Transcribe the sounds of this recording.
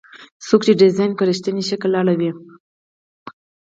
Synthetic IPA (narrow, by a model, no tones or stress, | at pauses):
sokt͡ʃeɖɪzɑjnkaɾəʃt̪əniʃəkəlːɑɽawi